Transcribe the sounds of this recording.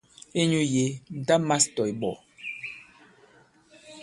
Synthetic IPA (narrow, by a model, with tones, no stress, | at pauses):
e˦ɲu˦je˨˦n̩˨ta˦ma˦stɔ˨jbɔ̰˨